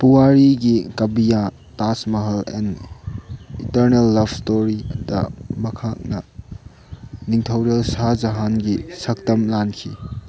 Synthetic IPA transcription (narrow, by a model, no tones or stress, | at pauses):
puwaɾiɡikɐbija | tasmɐɦɐlɛ̰n | itɐɾnelːɐbʱstoɾidɐ̰mɐkʰak̚nɐ̰ | niŋtʰɐwɾelsad͡ʒɐɦanɡisɐk̚tɐmlankʰi